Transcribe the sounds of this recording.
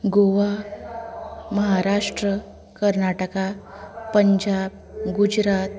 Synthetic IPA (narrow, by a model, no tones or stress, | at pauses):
ɡoʋa | məɦaɾaʂʈɾə | kəɾnaʈəka | pəɲd͡ʑab | ɡud͡ʑɾat̪